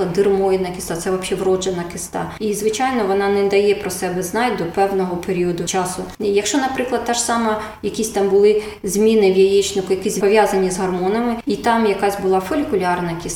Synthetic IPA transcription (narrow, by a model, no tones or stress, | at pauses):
ɐd̪ɪrmɔjid̪nɐkʲɪ̥st̪ɑt̪sɛʋɐpʃɛʋrɔd͡ʒenɐkɪst̪ɑ̰izʋɪt͡ʃɑjnɔʋɔnɑnɛd̪ɐjɛpɾɔsɛbɛznɑjʲd̪ɔpɛwnɔɦɔpeɾʲiɔd̪ʊt͡ʃɑsʊjɐkʃt͡ʃɔnɐpɾɪklˠɐd̪̚t̪ɑʃsɑmɐ | jɐkʲisʲt̪ɑmbʊlˠɪ | zʲmʲinɪwʲjijit͡ʃnɪkʊjɐkisʲpɔʋjazɐnʲizɦɐrmɔnɐmɪit̪ɑmjɐkɑzʲbʊlˠɑfɔlʲikʊlʲɑrnɐkʲɪs